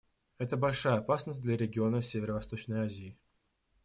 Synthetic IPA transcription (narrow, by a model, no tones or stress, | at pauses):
ɛt̪əbɐlʲʂajəɐpasnəsʲd̪lʲɐɾʲɪɡʲɪo̞nəsʲevʲɪɾəvɐst̪o̞t͡ɕnəjazʲɪː